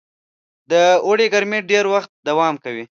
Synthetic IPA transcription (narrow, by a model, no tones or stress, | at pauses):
d̪əoɽeɡaɾmeɖeɾwaxt̪̚d̪awɑmkawi